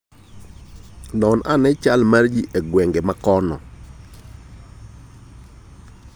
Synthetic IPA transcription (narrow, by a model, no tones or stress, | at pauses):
nɔnʔa̰nɛt͡ʃalmard͡ʒiʔeɡwɛŋɡemakɔnɔ̰